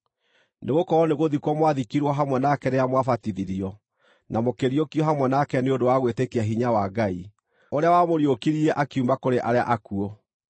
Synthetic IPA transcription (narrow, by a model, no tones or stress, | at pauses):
neɣokɔɾɔneɣoðikwɔmwaðikiɾwɔɦamwɛnakɛɾeɾamwafatiðiɾiɔ | namokeɾiɔkiɔɦamwɛnakɛneodowaɣwetekeaɦiɲawaɡai | oɾeawamoɾiokiɾiɛʔakiumbakoɾeʔaɾea̰ʔakuɔ